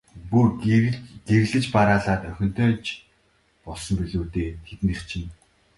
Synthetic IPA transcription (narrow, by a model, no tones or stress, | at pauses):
pu | ɡ̥eɾɮɘ̆t͡ɕpaɾaːɮaːt̪œxʲɪ̆n̥t̪œːt͡ɕ | pɔɮsɞ̆mpɵɮuːt̪eːt̪ʰet̪ɘ̆nĭχt͡ɕʰɪ̆n